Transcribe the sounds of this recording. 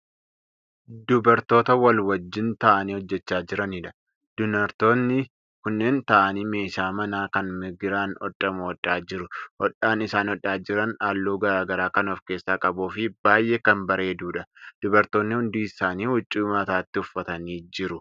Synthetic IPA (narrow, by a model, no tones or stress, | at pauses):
d̪ʊbɐɾt̪o̞ːt̪ɐwɐlwɐd͡ʒːɪnt̪ɐʔɐniːhɔd͡ʒːɛt͡ʃːaːd͡ʒɪɾɐniːᶑɐ̥ | d̪̥ʊnɐɾt̪o̞ːnːɪ | kʊnːe̞ːnt̪ɐʔɐniːme̞ːʃaːmɐnaːkɐnmɪɡɪɾaːnɔᶑʼːɐmʊɔᶑʼaːd͡ʒɪɾʊhɔᶑaːnɪsaːnɔɗːaːd͡ʒɪɾɐnaːlːuːɡɐɾaːɡɐɾaːkɐnɔfke̞ːsːaːkʼɐbuːfɪbaːjʔeːkɐmbɐɾe̞ːd̪uːᶑɐd̪̥ʊbɐɾt̪o̞ːnːɪhʊnd̪iːɪsaːniːhʊt͡ʃʼːʊmɐt̪aːt̪ːɪʊfːɐt̪ɐniːd͡ʒɪɾʊ